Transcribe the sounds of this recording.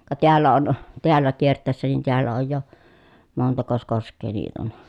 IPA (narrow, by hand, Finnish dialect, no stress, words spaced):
kɑ teælːæ on teælːæ kiertˑæˑi̯sːæ nin teælːæ oj jo montɑkos koskˑeː niːt on